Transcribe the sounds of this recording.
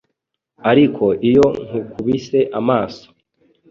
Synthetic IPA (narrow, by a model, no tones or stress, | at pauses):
aɾikʰo̞ʔijo̞ŋ̥hukʰuβise̞ʔamaːso̥